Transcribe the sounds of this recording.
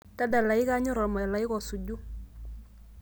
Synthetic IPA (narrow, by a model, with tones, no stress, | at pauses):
ta˦da˨la˨i˦ka˦ɲɔ˦ɾɔ˨ma˨la˨i˦kɔ˨su˨ɟu˦